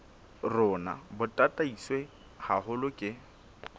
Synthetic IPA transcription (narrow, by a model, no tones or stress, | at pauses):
rʊːna̰bʊtʼatʼaiswe | hahʊlʊkʼɪ